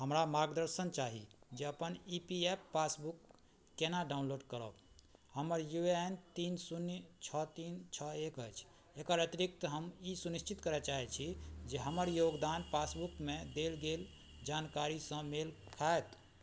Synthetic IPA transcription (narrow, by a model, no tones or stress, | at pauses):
ɦəmɾamaɾɡd̪əɾsənt͡ʃaɦḭd͡ʒeəpənipiepːasbukː | enaɖaʊnloɖkəɾə̰b | həməɾjueent̪insunt͡ʃʰət̪int͡ʃʰəekəjt͡ʃʰ | ekəɾət̪iɾik̚t̪əɦəmisuniʃt͡ʃit̪kəɾɛt͡ʃaɦɛt͡ʃʰid͡ʒeɦəməɾjoɡd̪anpasbukmed̪elɡel | d͡ʒankaɾisə̃melkʰaet̪